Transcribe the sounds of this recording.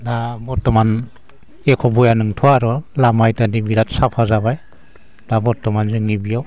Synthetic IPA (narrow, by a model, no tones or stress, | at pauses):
dabɔtːɔman | ekʰɔbɔjanɯŋtʰɔaɾɔlamajtanibiɾatsapʰazaβaj | d̥abɔtɔmanzɯŋnibijaw